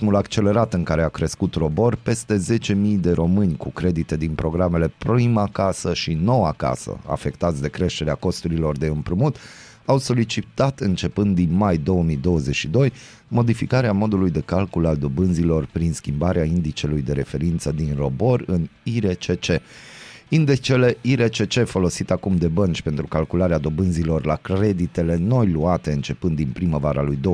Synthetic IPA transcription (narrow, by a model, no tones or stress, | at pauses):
mulakt͡ʃe̞le̞ɾat̪ɨŋkaɾe̞akɾeskut̪ro̞bo̞rpe̞st̪e̞ze̞t͡ʃe̞mijd̪e̞ɾo̞mɨnʲkukɾe̞d̪it̪e̞d̪inpɾo̞ɡɾame̞le̞pɾimakasəʃino̞waka̰sə̰a̰fe̞kt̪at̪sʲd̪e̞kɾe̞ʃt̪e̞ɾeako̞st̪uɾilo̞rd̪e̞ɨmpɾɨmut̪ | awso̞lit͡ʃit̪at̪ɨnt͡ʃe̞pɨnd̪d̪ːinmajd̪o̞wəmid̪o̞wəzet͡ʃʲʃid̪o̞j | mo̞d̪ifikaɾeamo̞d̪ulujd̪e̞kalkulald̪o̞bɨnzilo̞rpɾinskʲimbaɾeaind̪it͡ʃe̞lujd̪e̞ɾe̞fe̞ɾint̪səd̪inro̞bo̞rɨniɾet͡ʃe̞t͡ʃe̞ | ind̪et͡ʃe̞le̞iɾe̞t͡ʃe̞t͡ʃe̞fo̞lo̞sit̪akumd̪e̞bənt͡ʃʲpe̞nt̪ɾukalkulaɾead̪o̞bɨnzilo̞rlakɾe̞d̪it̪e̞le̞no̞jluat̪e̞ɨnt͡ʃe̞pɨnd̪inpɾiməvaɾalujd̪o